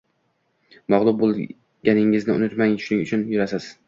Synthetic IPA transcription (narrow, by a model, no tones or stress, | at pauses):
mɒʁlˠʊb̚bolˠ | ɡʲanɪŋɪznɪʊ̰nɪt̪maŋʃʊnɪŋʊt͡ʃʰʊnjʊɾasɪz̥